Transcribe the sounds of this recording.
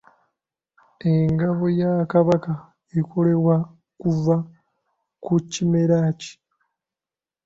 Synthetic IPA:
eŋɡaβo̞jakaβaka | ikʰo̞le̞βwa | kuva | kucime̞ɾaːci̥

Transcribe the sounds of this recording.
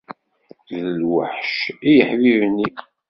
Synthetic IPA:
ðəlwə̰ħʃijəħvivnːi

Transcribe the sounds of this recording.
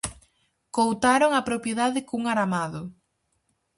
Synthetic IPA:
kowt̪aɾoŋapɾopjeðaðɪkuŋaɾamaðʊ

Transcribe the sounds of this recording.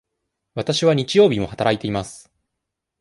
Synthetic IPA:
βat̪aɕiβaɲ̟it͡ɕijo̞ːbʲimo̞hat̪aɾait̪e̞imasɨ̥

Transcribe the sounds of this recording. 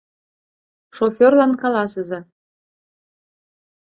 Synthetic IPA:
ʃofʲerlɑnkɑlɑsə̆zɑ

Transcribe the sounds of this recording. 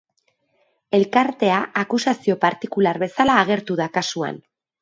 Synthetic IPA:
e̞lkaɾt̪e̞aakusasio̞paɾt̪ikulaɾβe̞salaːɣe̞ɾt̪uðakasua̰n

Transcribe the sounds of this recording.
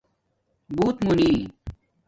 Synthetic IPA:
buːt̪muni

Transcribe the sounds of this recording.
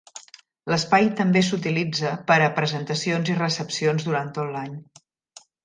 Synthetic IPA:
ləspajt̪əmbes̬ut̪ilid͡zəpəɾəpɾəzənt̪əsionzirəsəpsionzðuɾant̪ot̪laɲ

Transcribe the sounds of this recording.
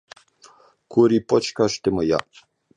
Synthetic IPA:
kʰuɾipɔt͡ʃkaʃt̪eməja̰

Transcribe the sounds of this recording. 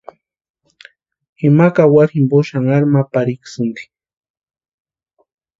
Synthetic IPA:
ɪmakawasɪmboʃaŋaɾmapaɾɪksʊnki̥

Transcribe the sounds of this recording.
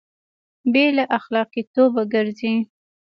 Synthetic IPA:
belaʔaxlɑqit̪obaɡəɾzi

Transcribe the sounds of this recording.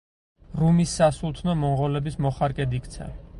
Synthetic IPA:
ɾumisːasulˠt̪ʰnɔmɔɴʁɔlɛbismɔχaɾkʼɛd̪ikʰt̪sʰɛ̰

